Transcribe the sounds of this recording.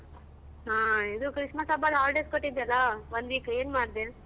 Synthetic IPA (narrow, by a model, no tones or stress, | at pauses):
ɦaːid̪ukɾiʂmɐsabaːlaːlɖeskoʈːid̪ɐlːɐʋond̪ʋiːkueːnmaːɽd̪e